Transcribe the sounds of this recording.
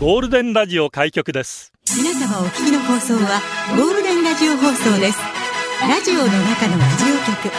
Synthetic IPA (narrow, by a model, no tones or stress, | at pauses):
ɡ̥o̞ːɾɯ̟d̪ẽ̞nɾaʑio̞kaikʲo̞kɯ̟d̪e̞s | mʲinasamao̞kʲi̥kʲino̞ɦo̞ːso̞ːβaɡo̞ːɾɯ̟d̪ẽ̞nɾaʑio̞ɦo̞ːso̞ːd̪e̞sɨ̥ɾaʑio̞no̞nakanonaʑio̞ːkʲokɯ̟